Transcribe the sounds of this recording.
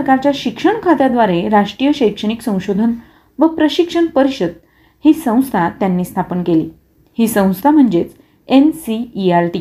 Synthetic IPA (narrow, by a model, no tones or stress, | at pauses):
kaɾt͡ɕjaɕikʂəɳkʰat̪ad̪ʋaɾeɾaʂʈɾijəɕəjkʂəɽ̃iksə̃w̃ɕod̪ʱən | ʋəpɾəɕikʂəɳpəɾiɕəd̪̚ | hiːsə̃w̃st̪ʰat̪ːjanːiːst̪ʰapənkelḭː | hiːsə̃w̃st̪ʰam̤əɳd͡zet͡s | ensiːaɾʈi